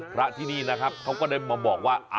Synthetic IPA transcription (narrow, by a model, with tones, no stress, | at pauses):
pʰɾa˦˥ʔt̪ʰiː˥˩niː˥˩na˦˥kʰa˦˥p̚kʰa˦˥wkɔː˥˩daː˥˩maː˧bɔː˨˩k̚waː˥˩ʔa˧